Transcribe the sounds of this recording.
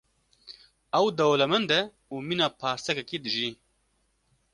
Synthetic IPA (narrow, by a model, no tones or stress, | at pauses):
ɐwd̪ɐwlɛmɛnd̪ɛ | uːminaːpʰaːɾsɛkɛkiːd̪ɨʒiː